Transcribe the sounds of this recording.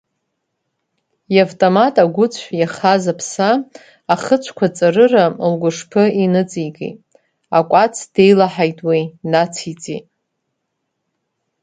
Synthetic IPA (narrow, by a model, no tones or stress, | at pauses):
javtʼomatʼaɡʷʊt͡sʷʰjaχazapʰsaː | χət͡ʃʷʰkʷʰat͡sʼarɨralɡʷʊʂpʰɨinɨt͡sʼiɡʼḛjtʼ | akʷʼat͡sʰd̥e̞jlaħajtʼwinat͡sʰit͡sʼḭtʼ